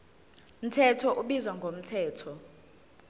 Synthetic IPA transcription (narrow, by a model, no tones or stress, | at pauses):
m̩tʰɛtʰɔʔuɓizwaŋɡʱom̩tʰɛːtʰɔ